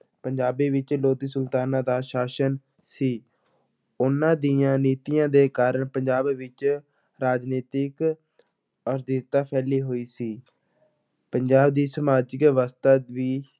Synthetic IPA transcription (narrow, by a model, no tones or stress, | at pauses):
pəɲd͡ʒaːbiːʋɪt͡ʃloːd̪iːsəlt̪aːnãːd̪aːʃaːʃən | siː | ʊnːãːd̪iːãːniːt̪ijãːd̪eːkaːɾəɳpəɲd͡ʒaːbʋɪt͡ʃ | ɾaːd͡ʒniːt̪ɪk | əɾd̪it̪aːpʰɛːliːɦoːiːsiː | pəɲd͡ʒaːb̚d̪iːsəmaːd͡ʒɪkʋaːst̪aːʋiː